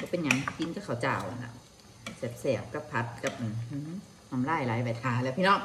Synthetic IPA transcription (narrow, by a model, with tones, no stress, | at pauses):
kɔː˧˦pe˧˨nɲa˨˦ŋ˧ki˧˦nka˧˥kʰa˨˩wt͡ɕaː˨˩wʔa̰˨˩na̰˧˩ | sɛ˨˩p̚sɛː˨˩p̚ka˧˥pʰa˧˦˥t̪̚ka˧˩p̚ʔa˨˩nɯː˧˦ | hɔ˧˩˨mlaː˧˩jlaː˨˦jpa˨˧˩t̪ʰaː˨˩˦lɛː˧˩˨pʰiː˧˨nɔː˧˥˩ŋ